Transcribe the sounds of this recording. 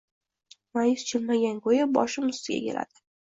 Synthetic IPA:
majʊst͡ʃʰɪlmaɡʲankʰojabɒ̰ʃɪmʊst̪ɪɡʲa̰kʲe̞la̰d̪̥ɪ̥

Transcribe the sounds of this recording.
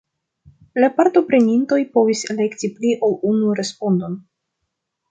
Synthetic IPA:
lapaɾto̞pɾe̞ninto̞jpo̞visele̞ktipliʔo̞lunuɾe̞spo̞ndo̞n

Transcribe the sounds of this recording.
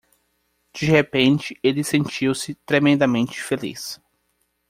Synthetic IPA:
d͡ʒ̥ihepẽnt͡ʃɪelɪsẽnt͡ʃiwsɪt̪ɾemẽnd̪ɐmẽnt͡ʃɪ̥felḭs

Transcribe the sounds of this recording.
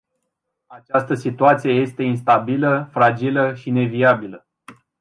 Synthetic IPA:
at͡ʃast̪əsit̪uat̪sije̞je̞st̪e̞ins̬t̪abiləfɾad͡ʒiləʃine̞viabilə

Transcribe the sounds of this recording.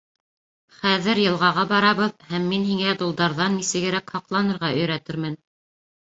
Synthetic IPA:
χæðɘɾjɤ̆lˠʁɑʁɑbɑɾɑβɤðhæmːinɦiŋæd̪ulˠd̪ɑɾðɑnːisɘ̆ɡɘ̆ɾækhɑqlˠɑnɤ̆ɾʁɑʔɵ̆jɾæt̪ɘ̆ɾmɘn

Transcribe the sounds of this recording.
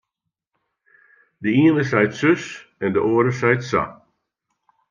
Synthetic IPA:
dəiənəsɛjtsøsɛndəʔoəɾəsɛjtsa̰

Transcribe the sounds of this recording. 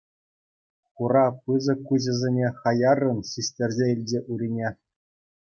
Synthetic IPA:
χuɾɑpɯzɤ̆kuʑɘ̆zʲenʲeχɑjɑrːɤ̆nɕisʲtʲerʲzʲeilʲd͡ʑʲeʔuɾʲinʲe

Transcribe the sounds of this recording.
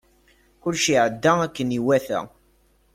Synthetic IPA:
kʊlʃiʕəd̪ːæækːəniwæθæ̰

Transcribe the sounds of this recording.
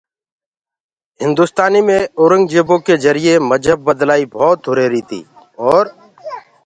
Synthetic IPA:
ɦɪ̃nd̪uːst̪aːniːmẽːoːɾə̃ŋɡd͡ʒeːbõːkeːzəɾɪeːməd͡ʒəb̚ːəd̪laːiːbʱɔːt̪ɦʊɾeːɾiːt̪ʰḭː | ɔːɾ

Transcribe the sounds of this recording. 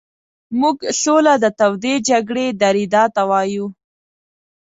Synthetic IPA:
muɡɬolad̪ət̪awd̪ed͡ʒaɡɽed̪aɾid̪ɑt̪awɑju

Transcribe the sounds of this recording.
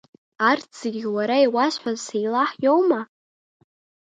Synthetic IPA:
artt͡seɡʲwaɾaiwaʃʷħʷᶣazsejlaħjowma

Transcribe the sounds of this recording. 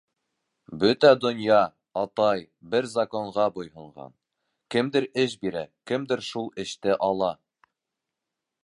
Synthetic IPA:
bɵt̪æd̪ŏnjɑ | ɑt̪ɑj | bɘɾzɐkoɴʁɑbŏjhɤ̆ɴʁɑ̰n | kɘ̆md̪ɘɾɘʃbiɾækɘ̆md̪ɘɾʃulˠɘ̆ʃt̪ɘʔɑlˠɑ

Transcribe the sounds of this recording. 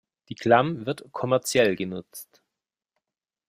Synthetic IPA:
d̥iːkʰl̥amvɪɐtkʰɔmɛɐt͡sjɛlɡənʊt͡st

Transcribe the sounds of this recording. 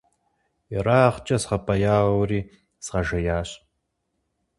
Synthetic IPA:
iraːχt͡ʃʼɐsʁɐpʰʼɐjaːʁwriː | z̥ʁɐʒɐjaːɕ

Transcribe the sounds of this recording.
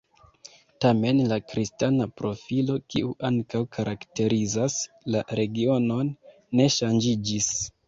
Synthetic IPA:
tame̞nlakɾistanapɾo̞filo̞kiuʔaŋkawkʰaɾʔakte̞ɾizas | laɾe̞ɡio̞no̞nː | e̞ʃand͡ʒid͡ʒis

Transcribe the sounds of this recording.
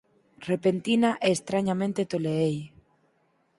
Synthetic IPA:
repent̪inaʔɛːst̪ɾaɲamẽnt̪et̪oleej

